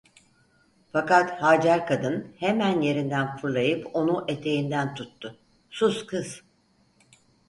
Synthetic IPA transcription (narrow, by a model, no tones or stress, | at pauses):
fakat̪haːd͡ʒaɾkʰad̪ɯnhe̞mænje̞ɾind̪ænfɯɾlˠajɯpo̞nuʔe̞t̪ʰe̞jind̪ænt̪ʰut̪ʰːʊ | suz̥kʰɯz̥